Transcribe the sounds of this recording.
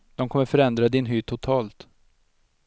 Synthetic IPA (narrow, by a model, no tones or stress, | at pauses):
d̪̥ɔmkʰɔmːəɾfœɾɛnd̪ɾad̪ɪnɦyːt̪ʰʊt̪ʰɑːlt̪